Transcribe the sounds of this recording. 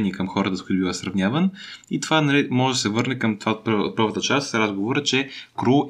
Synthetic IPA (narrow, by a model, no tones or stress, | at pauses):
niɛkəmxɔɾət̪əskuit̪ʊbivəsɾɐvnʲjavənit̪ovanɐlimɔʒɛd̪ɐsɛvɤɾnɛkəmt̪vaot̪̚p̪̚pəɾvət̪ət͡ʃast̪sɾazɡovoɾət͡ʃɛkɾu